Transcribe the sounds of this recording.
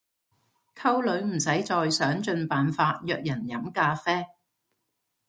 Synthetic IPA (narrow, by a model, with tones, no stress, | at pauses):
kʰɐ˥wlɵ˨˧˥ɥm̩˨˩sɐ˨˥jt͡sɔː˨˧jsœː˨˥ŋt͡ʃɵ˧npaː˨nfaː˧t̚jœː˧k̚jɐ˨˩njɐ˨˥mkaː˧fɛː˥